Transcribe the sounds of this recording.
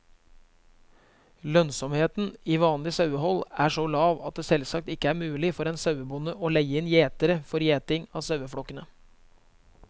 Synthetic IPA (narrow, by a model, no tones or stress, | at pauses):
lœnsɔmheːt̪n̩iːʋɑːnlɪsɑʉəhɔlæʂɔlɑːʋɑt̪̚d̪eːsɛlsɑk̚t̪ɪkːəæːɾmʉːlɪfɔɾeːnsɑʉəbʊnəʔoːlæɪɪnjeːt̪əɾəfɔɾjeːt̪ɪŋɑːsɑʉəfɽɔkːənə